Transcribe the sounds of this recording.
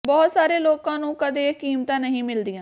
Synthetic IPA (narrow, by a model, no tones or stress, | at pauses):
bɔːt̪saːɾeːloːkãːnũːkəd̪eːkiːmt̪ãːnəɦĩːmɪld̪ɪjãː